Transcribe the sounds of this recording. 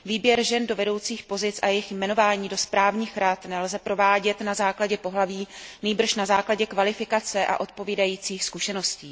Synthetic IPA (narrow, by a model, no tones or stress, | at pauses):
viːbjɛɾʒɛndo̞vɛdo̞wt͡siːxpo̞zɪt͡sʔajɛɪxjmɛno̞vaːɲiːdo̞spɾaːvɲiːxɾat̪nɛlzɛpɾo̞vaːɟɛt̪nazaːklaɟɛpo̞ɦlaviːniːbr̩ʃnazaːklaɟɛkvalɪfɪkat͡sɛʔa̰ʔo̞t̪̚po̞viːdajiːt͡siːxskuʃɛnosciː